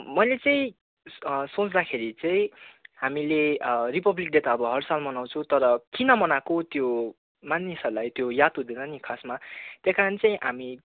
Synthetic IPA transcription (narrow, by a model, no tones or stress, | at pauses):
mʌjlet͡sʌĩ | sot͡sd̪akʰeɾit͡saĩɦamileripʌblik̚d̪et̪aʌbʌɦʌrsalmʌnaw̃t͡sʰũt̪ʌɾʌkinʌmʌnakot̪jo | manisʌrlajt̪jojat̪ud̪enʌnikʰasmat̪jakaɾʌnit͡saĩʔami